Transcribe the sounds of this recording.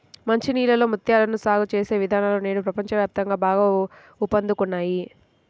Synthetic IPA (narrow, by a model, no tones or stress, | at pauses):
mɐɲt͡ʃiniːlɐlo̞ːmut̪jaːlɐnusaːɡut͡ʃeːse̞ːʋid̪ʱaːnaːlone̞ːɽupɾɐpɐɲt͡ʃɐʋjaːp̚t̪ɐŋɡaːbaːɡaː | upːɐnd̪ukunːaːji